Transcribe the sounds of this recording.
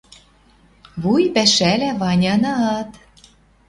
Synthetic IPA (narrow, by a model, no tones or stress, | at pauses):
βujpæʃælæβɑnʲɑnɑɑt̪